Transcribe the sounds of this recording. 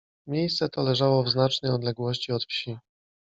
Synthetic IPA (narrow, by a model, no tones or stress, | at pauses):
mʲjejst̪sɛt̪ɔlɛʐawɔvznat͡ʂnɛjɔd̪lɛɡwɔɕt͡ɕiɔt̪fɕi